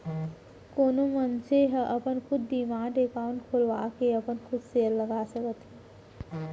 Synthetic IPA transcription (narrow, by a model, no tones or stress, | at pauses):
koːnomənseɦəʔɐpənkʰʊd̪d̪imãːɖeːkaːʋnkʰolʋaːkeɐpənkʰʊd̪seːɾləɡaːsəkət̪e